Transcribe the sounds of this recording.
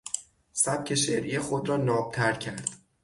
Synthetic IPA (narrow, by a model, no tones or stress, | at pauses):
sæb̚cʲʰe̞ʃeɾʔijexod̪ɾɒːnɒːb̥̚t̪ʰæɾcʰæɾd̪̥